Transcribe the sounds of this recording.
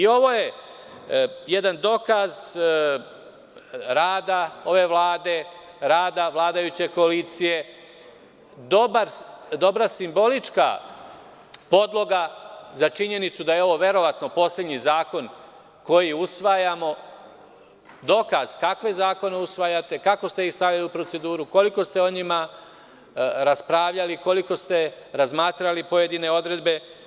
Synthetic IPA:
io̞ʋo̞ːje̞ | jed̪and̪o̞kaz | ɾaːd̪ao̞ʋe̞ʋlˠaːd̪e̞ | ɾaːd̪aʋlˠaːd̪ajut͡ɕe̞ko̞alit̪sije̞ | d̪obaɾd̪o̞bɾasimbo̞lit͡ʂka̰ | po̞d̪lˠo̞ɡazat͡ʃiɲe̞nit̪sud̪ajeo̞ʋo̞ʋe̞ɾo̞ʋat̪no̞po̞slʲed̪ɲizaːko̞n | ko̞jiusʋajamo̞ | d̪o̞kaz̥kakʋe̞zaːko̞ne̞usʋajat̪e̞kako̞st̪e̞ist̪aʋʎaliupɾo̞t̪se̞d̪uːɾuko̞liko̞st̪e̞o̞ɲima | ɾaspɾaʋʎaliko̞liko̞st̪e̞ɾazmaːt̪ɾalipo̞jed̪ine̞o̞d̪ɾe̞d̪be̞

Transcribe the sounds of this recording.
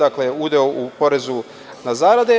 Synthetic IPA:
akleud̪eoʔupo̞ɾe̞zu | nazaːɾad̪e

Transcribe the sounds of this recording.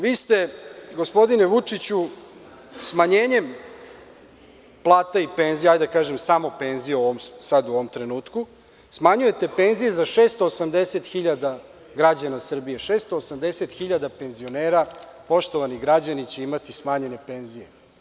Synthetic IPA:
ʋiːst̪e̞ɡo̞spo̞d̪ine̞ʋut͡ʂit͡ɕu | smaɲe̞ːɲe̞m | plˠaːt̪aipe̞nzijajd̪akaːʒemsamo̞pe̞nzijeoʋomsad̪uoʋomt̪ɾe̞nuːt̪ku | smaɲuje̞t̪e̞pe̞nzije̞zaʃe̞ːst̪oːsamd̪eset̪xiʎad̪a | ɡɾad͡ʑanasr̩bije̞ʃeːst̪o̞ːsamd̪eset̪xiʎad̪ape̞nzio̞neːɾapo̞ʃt̪o̞ʋaniɣɡɾad͡ʑanit͡ɕe̞imat̪ismaːɲe̞ne̞pe̞nzije̞

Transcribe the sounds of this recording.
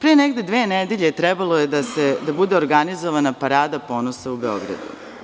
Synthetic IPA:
pɾijeneɡd̪ed̪ʋeːned̪eʎe̞t̪ɾɛbalˠojed̪ased̪abud̪e̞oɾɡanizoʋanapaɾaːd̪apo̞ːnosaube̞o̞̰ɡɾa̰d̪ṵ

